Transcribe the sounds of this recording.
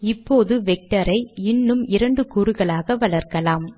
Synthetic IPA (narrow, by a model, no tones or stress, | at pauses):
ɪpːoːðɯʋɛk̚ʈɐɾɐɪɪnːɯmɪɾɐɳɖɯkuɾɯɣɐɭaːɣɐʋɐɭɐɾkɐlaːm